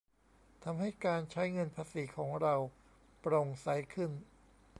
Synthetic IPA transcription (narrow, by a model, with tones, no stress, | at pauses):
t̪ʰa˧mɦa˥˩jkaː˧nt͡ɕʰa˦˥jŋɤ˧npʰaː˧siː˩˦kʰɔː˩˦ŋɾa˧w | pɾo˧ŋsa˩˦˥jkʰɯ˥˩n